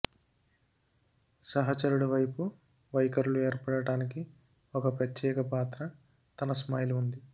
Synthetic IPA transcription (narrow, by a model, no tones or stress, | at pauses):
sɐɦɐt͡ʃɐɾuɽuʋɐjpu | ʋɐjkɐɾulueːɾpɐɽɐɽaːniki | ɔkɐpɾɐt̪jɛːkɐpaːt̪ɾɐ | t̪ɐnɐsmaːjluund̪i